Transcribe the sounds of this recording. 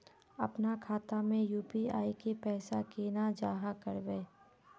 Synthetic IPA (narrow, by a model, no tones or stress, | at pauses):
ɐ̰pnakʰaːt̪amẽjuːpia̰ːikepɛːsakeːnad͡ʒaːɦakəɾbeː